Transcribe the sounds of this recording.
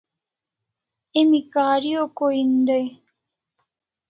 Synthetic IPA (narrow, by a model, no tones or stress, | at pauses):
emikaːɾiokoind̪oj